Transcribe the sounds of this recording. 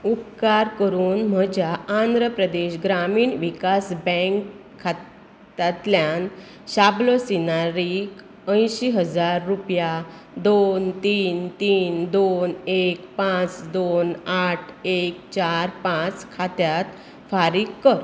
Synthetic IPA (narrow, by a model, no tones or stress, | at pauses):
up̚kaɾkəɾuːnm̤əd͡ʑaand̪ɾəpɾəd̪eɕɡɾamiːɳʋikasbə̃ŋkʰː | a | t̪at̪ljan | ɕablosinaɾik | ə̃jɕiɦəd͡zaɾːupja | d̪ont̪iːnt̪iːnd̪onekpãt͡sd̪onaʈʰek̚t͡ɕaɾpãt͡skʰat̪jat̪ | faɾikkːəɾ